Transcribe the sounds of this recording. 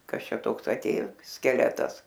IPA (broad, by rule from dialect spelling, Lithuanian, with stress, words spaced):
ˈkɐs ˈt͡ʃʲɛ ˈtoːks ɐˈtʲeːjoː sʲkʲɛˈlʲæːtɐs